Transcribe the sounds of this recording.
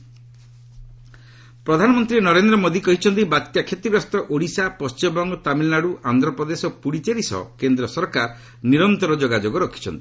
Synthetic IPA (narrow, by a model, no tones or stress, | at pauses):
pɾɔd̪ʱanɔmɔnt̪ɾinɔɾend̪ɾɔmod̪ikɔɦit͡ʃʰɔnt̪̬ibat̪kjakʰet̪ibɾɔst̪ɔʔoɽisapɔst͡ʃiɔbɔŋɡɔt̪amilnaɽuʔand̪ɾɔpɾɔd̪esopuɽit͡ʃeɾisɔ̰kend̪ɾɔsɔɾkaɾ | niɾɔnt̪ɔɾɔd͡ʒoɡad͡ʒoɡɔɾɔkʰi̥t͡ʃʰɔnt̪i̥